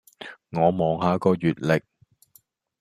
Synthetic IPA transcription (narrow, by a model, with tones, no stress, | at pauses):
ŋɔː˨˧mɔː˨˧ŋɦaː˨˥kɔː˧ɥyː˨t̚lɪ˨k̚